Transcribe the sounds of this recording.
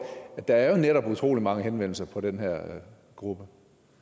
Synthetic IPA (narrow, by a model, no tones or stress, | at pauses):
æd̥ɑ̈æɐjo̝neɾɒ̽b̥ut͡sʰʁo̝̰ːlimɑ̈ŋəɦenʋen̰l̩sɐpʰɒ̽ɾ̥enɦɛɐ̰ | ɡ̥ʁub̥ə